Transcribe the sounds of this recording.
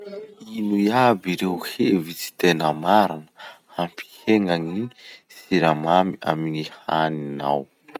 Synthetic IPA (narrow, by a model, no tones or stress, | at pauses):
inuiabiɾewhevit͡si̥t̪enəmaɾinə̥ampi̥heŋaŋini | siɾamamia̰minihanina̰w